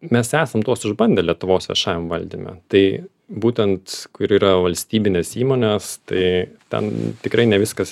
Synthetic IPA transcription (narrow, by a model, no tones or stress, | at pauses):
mʲɛsæːsɐmt̪uɔsʊʒbɐnʲd̪ʲelʲiɛt̪ʊʋoːsʋʲɛ̰ʃɑːʋʲɛmʋɐlʲd̪ʲimʲɛ̰t̪ɐɪ | buːt̪ʲɛnt̪kʊɪɾiːɾɐʋɐlʲsʲt̪ʲiːbʲɪnʲeːsiːmoːnʲeːst̪ɐɪt̪ʲɛ̰nt̪ʲɪkɾɐɪnʲɛʋʲɪskɐs